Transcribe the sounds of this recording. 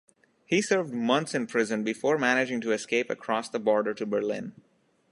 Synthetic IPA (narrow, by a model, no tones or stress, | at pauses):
hisɜɹvɖmʌ̃nt̪sɨ̃npʰɹ̥ɪzə̃nbɪfɔːɹmænɪd͡ʒɪ̃ŋtuɛskeɪpə̰kʰɾɔsd̪əbɔːɹɖə˞ʈubə˞lɪ̃n